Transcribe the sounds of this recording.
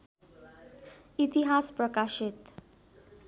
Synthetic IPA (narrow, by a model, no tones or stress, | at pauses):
it̪iɦaspɾʌkaʃit̪